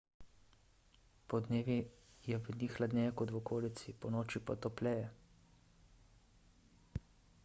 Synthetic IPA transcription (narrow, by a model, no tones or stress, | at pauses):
pɔd̪neːʋijɛʋənixlad̪nʲɛːjɛkɔt̪wɔkoːlit̪sipɔnoːt͡ʃipɔt̪ɔplɛːjɛ